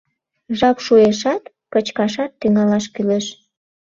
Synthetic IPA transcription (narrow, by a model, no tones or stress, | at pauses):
ʒɑpʃueʃɑt̪ | kət͡ɕkɑʃɑt̪ːyŋɑlɑʃkyleʃ